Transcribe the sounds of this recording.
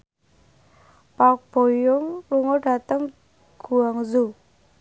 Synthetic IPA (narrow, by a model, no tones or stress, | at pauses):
pak̚b̥o̤jʊŋluŋɔɖ̥a̤t̪əŋ | ɡ̥ṳaŋzu